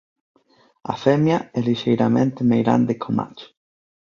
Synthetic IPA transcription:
a̰fɛmjaɛliʃejɾamẽnt̪ɪmejɣɾa̰nd̪ekʰoma̰t͡ʃ

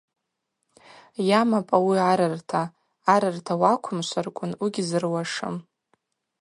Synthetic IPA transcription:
jamapʼawiaɾɨrtʰaː | ɾɨrtʰawakʷʰʊmʃʷarkʷʼʊnwiɡʲizɨrwaʂɨ̰m

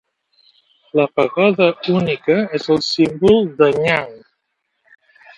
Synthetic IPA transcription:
ləpəɣɔðəunikəɛzəlˠsimbulˠd̪əɲaŋ

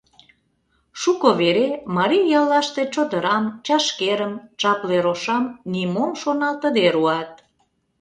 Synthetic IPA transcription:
ʃukoβeɾemɑɾijjɑlːɑʃt̪et͡ɕod̪əɾɑmt͡ɕɑʃkeɾəmt͡ʃɑpleɾoʃɑmnimomʃonɑt̪əd̪eɾuɑt̪̚

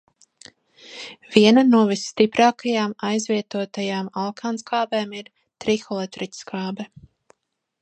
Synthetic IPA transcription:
v̥iɛnanuɔvisːt̪ipɾaːkajaːmajzvʲiɛt̪uɔt̪ajaːmalˠkʰaːnskaːbɛːmiɾ | t̪ɾixɔlˠɛt̪ɾitʲskaːbɛ

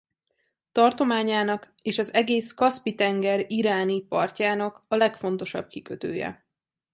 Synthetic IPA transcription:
t̪ɒrt̪o̞maːɲaːnɒk | eːʃɒzɛɡeːskɒspit̪ɛŋɡɛɾiɾaːnipɒrcaːnɒkɒlɛkfo̞nt̪o̞ʃɒ̰b̚kikøt̪ø̰ːjɛ̰

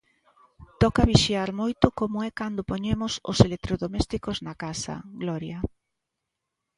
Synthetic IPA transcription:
t̪ɔkaβiʃiaɾmojt̪ʊkomʊɛkand̪opoɲemʊso̰selek̚t̪ɾoðomɛst̪ikoznakasɐ̰ɡlɔɾja

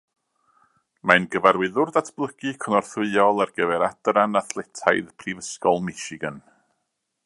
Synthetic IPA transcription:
manɡəvaɾwɪðʊrðatʰb̥lˠəɡ̥ɨkʰɔnɔrθwɨɔlˠarɡ̥əvɛɾadɾanaθlˠɛtʰajðpʰrivəskɔlˠmɛʃɪɡən

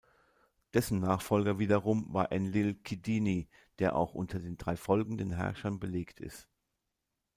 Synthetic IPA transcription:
d̥ɛsn̩ːaːχfɔlɡɐviːdɐʁʊmva̰ːɐʔɛnlɪlkʰidiːni | d̥eːɐʔa̰ʊxʔʊ̰ntʰɐdeːndʁaɪfɔlɡŋ̩dənɦɛ̰ɐʃɐnbəleːktʰɪ̰st

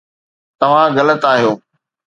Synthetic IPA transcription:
t̪ɐʋ̤ãɣɐlət̪aːɦijoː

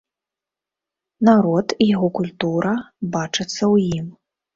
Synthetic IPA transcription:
naɾɔt̪ijaɣɔkulʲt̪uɾɐbat͡ʂɨt̪sːɐwjim

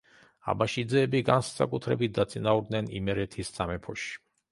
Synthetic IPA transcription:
a̰baʃid̪zɛːbiɡanssa̰kʼut̪ʰɾɛbit̪̚d̪at̪sʼinauɾd̪nɛnḭmɛɾɛt̪ʰissʼamɛpʰɔʃi̥

